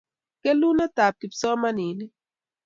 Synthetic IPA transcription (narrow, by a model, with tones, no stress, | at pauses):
kɛ˦lu˦nɛ˦ta˨p̚ki˨psɔ˦ma˦ni˨ni˦